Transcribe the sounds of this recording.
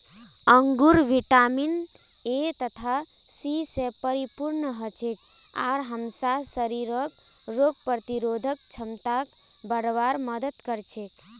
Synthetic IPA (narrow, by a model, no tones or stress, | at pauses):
əŋɡuɾʋiʈamin | et̪ət̪ʰa | sisepəɾipuɾnəɦət͡ʃʰek̚ | a̰ɾɦəmsasəɾiɾək | ɾoɡ̚pɾət̪iɾod̪ʱək̚t͡ʃʰəmt̪ak | bəɽʋaɾməd̪ət̪kəɾt͡ʃʰek